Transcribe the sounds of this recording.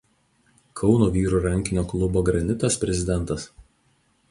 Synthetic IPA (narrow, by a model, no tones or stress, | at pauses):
kʰɒʊnuːʋʲiːɾuːˑɾɐŋʲkʲɪnʲoːklˠʊboːɡɾɐnʲɪt̪ɐspʲɾʲɛzʲɪd̪ʲɛnˑt̪ɐs